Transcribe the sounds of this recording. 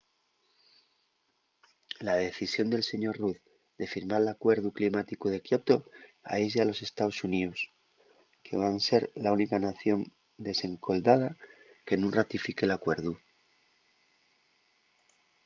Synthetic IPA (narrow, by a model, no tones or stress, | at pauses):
laðe̞θisjo̞nd̪e̞lse̞ɲo̞rruθ | ðe̞fiɾmaɾlakwe̞ɾðuklimat̪ikuð̞e̞kjo̞t̪o̞a̰eʝealo̞se̞st̪aosunius | kʰe̞β̞anse̞ɾlaunikanaθjo̞n | d̪e̞se̞ŋkʰo̞ld̪að̞ake̞nũrat̪ifike̞lakwe̞ɾðu